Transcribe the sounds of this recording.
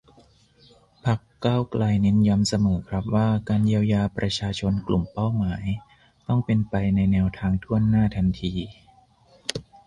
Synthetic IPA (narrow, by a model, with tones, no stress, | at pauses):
pʰa˦˥kː | aː˥˩wklʔa˧jne˦˥nja˧˥msa˧mɤː˩˦kʰɾa˦˥p̚waː˥˩kaː˧nji˧əwjaː˧pɾa˧t͡ɕʰaː˧t͡ɕʰo˧nklu˨˩mpa˥˩wmaː˩˦j | t̪ɔ˥˩ŋpe˧npa˧jna˧jnɛː˧wt̪ʰaː˧ŋt̪ʰu˥˩ənːaː˥˩t̪ʰa˧nt̪ʰiː˧